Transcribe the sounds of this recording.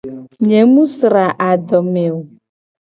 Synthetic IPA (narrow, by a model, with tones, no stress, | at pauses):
ɲe˨mũ˦sɾa˨ʔa˨dɔ˨me˨wu˨